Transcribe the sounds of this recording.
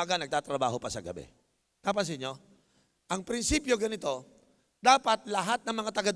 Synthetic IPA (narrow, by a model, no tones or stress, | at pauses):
aɡɐnɐɡ̚t̪aːt̪ɾɐba̰ːho̞pɐsɐɡɐ̰bɛ̰ | t̪aːpɐs̬ɪɲo̞ | ʔɐŋpɾɪnsiːpjo̞ɡɐnɪt̪o̞ | d̪aːpɐt̪̚lɐɦat̪̚nɐŋmɐŋat̪ɐɡɐd̪